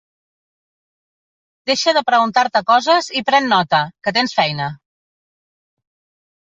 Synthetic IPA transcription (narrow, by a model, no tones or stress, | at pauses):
d̪eʃəðəpɾəɣunt̪aɾt̪əkɔzəzipɾɛnːɔt̪əkət̪̬ensfɛjnə